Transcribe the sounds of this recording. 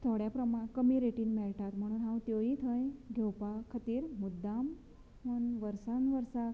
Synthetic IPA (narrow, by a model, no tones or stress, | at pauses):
t̪ʰoɽjapɾəmakəmiɾeʈinmɛɭʈʰat̪m̤əɽ̃uːnɦãwt̪joit̪ʰəjɡʱɛwpakʰət̪iːɾmud̪ːam | məɳʋəɾsanʋəɾsa